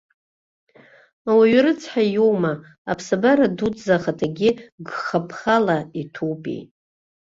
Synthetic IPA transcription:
awaɥɾɨt͡sʰħajowmaː | pʰsabaɾadudzaχatʰaɡʲɪɡχapʰχalaitʰopʼḭ

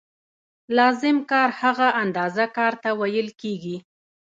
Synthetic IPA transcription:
lɑzɪmkɑɾhaɣaʔand̪ɑzakɑɾt̪awajəlkeɡi

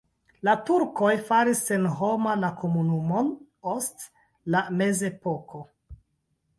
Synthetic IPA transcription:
latuɾko̞jfaɾisːenɦo̞malako̞munumo̞n | ost | lame̞ze̞po̞kʰo̞

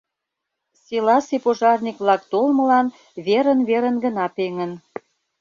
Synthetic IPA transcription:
selɑsepoʒɑrnʲikβlɑk̚t̪olmə̆lɑn | βeɾənβeɾənɡə̆nɑpeŋən

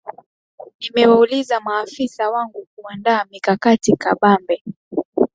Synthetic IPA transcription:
nimɛwaulizamaːfisawaŋɡuk̚uandaːmikakatikaɓambɛ

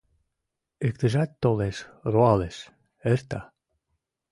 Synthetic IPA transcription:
ekt̪ə̆ʒæt̪ːoleʃroɑleʃ | ert̪ɑ

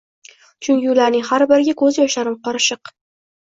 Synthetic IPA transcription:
t͡ʃʰʊnjʲʊlaɾnɪŋhaɾbɪɾɡʲakʰɵzjɒʃaɾɪmqɒɾɪʃɨq

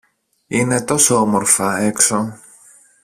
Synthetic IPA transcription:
ine̞t̪o̞soomoɾfɐe̞kso̞

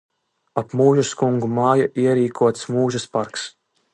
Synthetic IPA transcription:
apmuːʒaskuŋɡumaːjaʔiɛɾiːkʰuɔt̪smuːʒaspaɾks

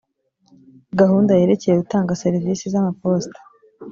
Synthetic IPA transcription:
ɡahuːndaje̞ːɾece̞jeɡutaːŋɡaseɾiviːsizamapo̞stḁ

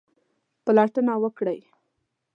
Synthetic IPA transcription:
pəlaʈənawəkɽəj

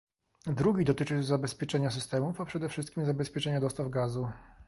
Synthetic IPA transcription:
d̪ɾuɡʲid̪ɔt̪ɘt͡ʂɘzabɛspʲjɛt͡ʂɛɲas̬ɘst̪ɛmufapʂɛd̪ɛfʂɘst̪kʲimzabɛspʲjɛt͡ʂɛɲad̪ɔst̪avɡazu

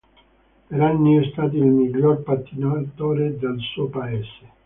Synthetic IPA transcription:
peɾanːiɛst̪aːt̪̬iilmiʎːorpat̪ːinoat̪ːoːɾed̪elsuːopaeːse̥

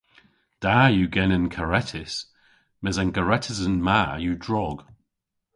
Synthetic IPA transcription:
d̥aːjuɡɛnənkʰəɹɛtʰɪs | mɛzanɡəɹɛtʰəzənmaːjudɹɔɡ̥

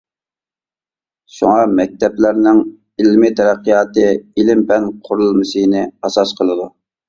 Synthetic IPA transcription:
ʃṵŋɑmɛk̚ʲt̪ʰɛplæɾnɪŋ | ilmɪt̪ʰɛɾæqːijɑːt̪ɨilɪmpʰɛnqʰʊɾulˠmɨsɨjnɪɑsɑsqʰəlˠɨd̪u

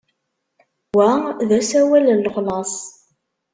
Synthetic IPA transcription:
wæðæsæwælənlːχlɑsˤ

